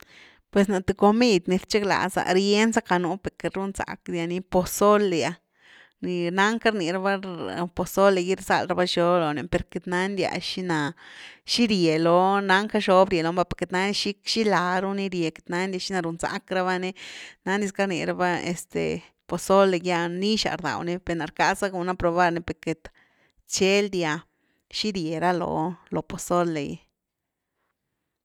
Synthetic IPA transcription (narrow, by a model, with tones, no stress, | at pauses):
pwe˨sna˨t̪u˧ko˧mi˦˧d̪ʲni˧ɾt͡ʃe˦kla̰˨sa̰˨ɾje˦nsa˦ka˧nu˧˦pe˨ke˧ɾu˦nsa̰˨˧kdʲja˧ni˧po˧so˦lja˨ | ni˧na˦ŋka˦ɾni˨ɾa˧˦ba˦po˨so˦le˧ɡi˦ɾsa̰˦˧lɾa˧ba˦ʃo˦blo˨ne˨pe˨ɾke˧t̪na˦ndʲja̰˨ʃi˦na˨ʃi˦ɾje˨lo˨na˧˦ŋka˦ʃo˦bɾʲje˨lo˧˦mba˧˦pe˧ɾke˧t̪na˧˦n˦ʃi˦kʃi˦la˨ɾu˦ni˦ɾje˨ke̥˧˨t̪na˦nd̪ʲja˧ʃi˦na˧ɾu˨nsa̰˧˦kɾa˦βa˦ni˦na˦ni˧ska˦ɾnḭ˨ɾa˦ba˦ḛ˨st̪ḛ˨ | po˨so˦lːe˧ɡja˦˧ni˦ʃa̰˨ɾd̪a̰˨wni˦pe˧˨na˨ɾka˦sa˦ɡu˨na˦pɾo˧βa˧ɾni˦pe˧ɾke˨t̪ | t͡ʃe˦ld̪ja˧ | ʃi˦ɾje˨ɾa˦lo̰˨lo˨po˨so˦le˨j